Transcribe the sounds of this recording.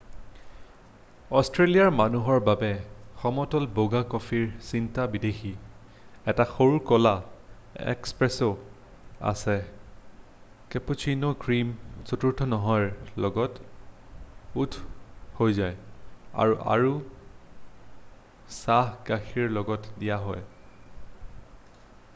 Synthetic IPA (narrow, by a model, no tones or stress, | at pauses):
ɔstɹelijaɹmanuɦɔɹbabɛxɔmɔtɔlboɡakɔfʰiɹsintabidexi | ɛtaxoɹukɔla | ɛ̰kspɹɛso | a̰sɛ | keput͡ʃʰinokɹimsotuɹtʰɔnɔɦɔjɹlɔɡɔt | utʰhojzaja̰ɹuʔa̰ɹu | saɦɡaxiɹlɔɡɔtdijaɦɔj